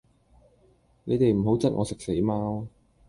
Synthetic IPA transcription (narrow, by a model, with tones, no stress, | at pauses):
ne˨˧jt̪e˨jm̩˨˩hɦo˨˥wt͡sɐ˥t̚ŋʔɔː˨˧sɪ˨k̚se˨˥jmaː˧